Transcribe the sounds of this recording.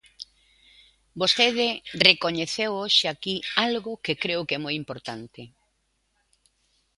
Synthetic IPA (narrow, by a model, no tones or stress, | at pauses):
bost̪eðɪrekoɲeθewoʃeakialɣʊkekɾeʊkɛmojimpoɾt̪ant̪ɪ